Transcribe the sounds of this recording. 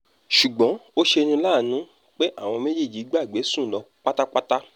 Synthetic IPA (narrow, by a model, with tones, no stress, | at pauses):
ʃu˨ɡ͡bɔ̃˨˦o˦ʃe˧nũ˧laː˦˨nũ˨˦ | k͡pe˦ʔa˦˨w̃ɔ̃˧me˦d͡ʒe˦˨d͡ʒi˨˦ɡ͡ba˦˨ɡ͡be˨˦sũ˦˨lɔ˧ | k͡pa˦ta˦k͡pa˦ta˦